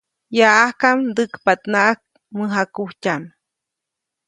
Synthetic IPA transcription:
jaːhkamd̪ɨkpat̪naʔak̚ | mɨɦakuhcam

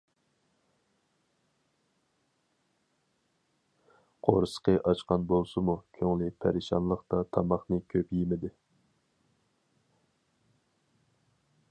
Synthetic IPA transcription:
qʰo̰ɾɨsə̥qəʔɑt͡ʃqɑnbolˠsɨmukʲʰøŋlɪpʰæ̰ɾɪʃɑ̰nlˠəχt̪ɑt̪ʰɑmɑχnɨkʲʰøpjimɪd̪ɪ

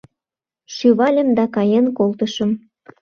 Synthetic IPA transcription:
ʃyβɑlʲə̆md̪ɑkɑjenkolt̪əʃə̆m

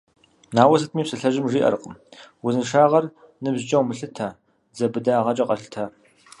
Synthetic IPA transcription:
naːwɐsɨtʰmiːpsɨɬɐʒɪmʐiːʔɐ̰rqʼəmwʊzɨʂaːʁɐr | nɨbʑt͡ʃʼɐwmɨɬɨtʰa | d͡zɐbɨdaːʁɐt͡ʃʼɐqʼɐɬɨ̥tʰa

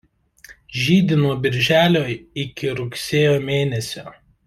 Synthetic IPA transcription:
ʒʲiːd̪ʲɪnuɔbʲɪɾʲʒʲæːlʲoːjɪkʲɪɾʊksʲeːjoːmʲeːnʲɛsʲo̰ː

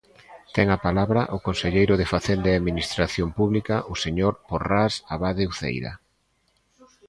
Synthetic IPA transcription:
t̪ɛŋapalaβɾaʔʊkonseʎejɾʊðɪfaθend̪eaðminist̪ɾaθjompuβlikaʔʊseɲoɾporasaβaðɪuθḛjɾa̰

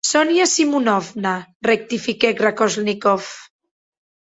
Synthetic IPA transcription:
sɔnjasimunɔvnarek̚t̪ifikɛɡɾakɔznikɔf

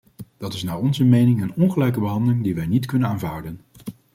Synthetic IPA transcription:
d̥ɑtɪsnaːɹɔnzəmejnɪŋənɔnχəlɛjkəbəɦɑndəlɪŋdiʋɛjnitkɵnənaːnvaːɹdən

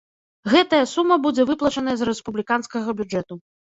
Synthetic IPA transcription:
ɣɛt̪ɐjɐsumːɐbud͡zʲɛvɨplˠɐt͡ʂɐnɐjɐzrɛspublʲikanskɐɣɐbʲud͡ʐɛt̪u

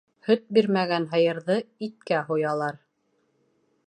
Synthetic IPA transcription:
hɵt̪̚biɾmæɡænɦɤ̆jɤ̆ɾðɤit̪̚kæɦujɑlˠɑɾ

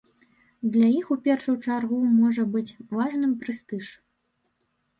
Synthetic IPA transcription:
d̪lʲajixupʲɛrʂujwt͡ʂarɣumɔʐɐbɨt͡sʲvaʐnɨmpɾɨst̪ɨʂ

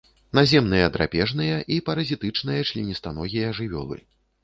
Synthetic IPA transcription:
nazʲɛmnɨjɐd̪ɾa̰pʲɛʐnɨjɐʔipɐɾɐzʲit̪ɨt͡ʂnɨjɐt͡ʂlʲinʲist̪anɔɣʲijɐʐɨvʲɔ̰lˠɨ̰

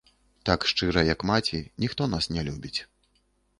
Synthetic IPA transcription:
t̪akʂt͡ʂɨɾɐjɐkmat͡sʲinʲixt̪ɔnasnʲɛlʲubʲit͡sʲ

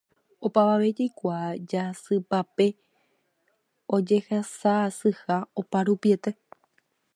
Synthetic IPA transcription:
o̞paʋaʋe̞d͡ʒejkʷad͡ʒasɨpape̞ | od͡ʒe̞hasasɨhaopaɾupie̞t̪e̞

